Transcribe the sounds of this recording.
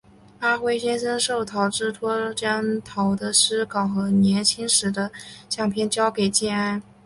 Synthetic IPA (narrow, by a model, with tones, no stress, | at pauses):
a˥xwe˥ɪɕjɛ˥nʂə˥nʂo˥˩ʊt̪ʰɑ˨˧˩ʊʈ͡ʂɻ̩˥˩t̪ʰwɔ˥ʈ͡ʂɑ˥˩ŋt̪ʰɑ˧˥ʊd̪ə˧ʂɻ̩˥kɑ˨˩ŋxɤ˧˥njɛ˧˥nt͡ɕʰi˥ŋʂɻ̩˧˥d̪ə˧ɕjɑ˥˩ŋpʰjɛ˥˩nt͡ɕjɑ˥ʊke˨˩ɪt͡ɕjɛ˥˩na˥ɪ